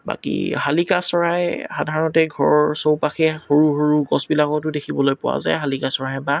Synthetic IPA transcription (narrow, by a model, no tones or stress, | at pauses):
ba̰kḭɦalikasɔɹajxadʱaɹɔntɛɡʱɔɹɔɹsowpaxɛxoɹuxoɹuɡɔsbilakɔtʊdekʰibɔlojpʊwa̰za̰jɦalikasɔɹaɛba